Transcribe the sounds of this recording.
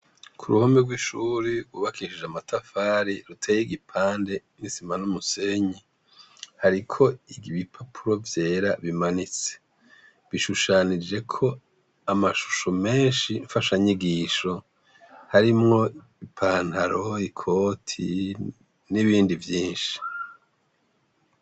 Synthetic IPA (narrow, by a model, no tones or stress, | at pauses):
kʰuɾuhomiɡwiʃuːɾiuβakiʃid͡ʒamatafaːɾiɾutʰejiɡipʰaːnde̞ | nisimanumuse̞ɲi | haɾikʰo̞iɡiβipʰapʰuɾo̞vje̞ːɾaβimanit͡se̥ | βiʃuʃanid͡ʒe̞kʰo̞ | amaʃu̥ʃome̞ːnʃiɱfaʃaɲiɡiːʃo̞ | haɾimŋo̞ | ipʰaːn̥haɾo̞ikʰo̞ːtʰi | niβiːndivjiːnʃi̥